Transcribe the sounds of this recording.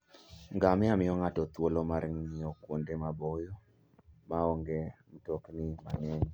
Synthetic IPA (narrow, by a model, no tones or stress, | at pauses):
ŋɡamɛamɪɔŋatɔt̪wolomaɾŋɲɪɔkwondemabɔjo | maɔŋɡem̩toknɪma̰nɛɲ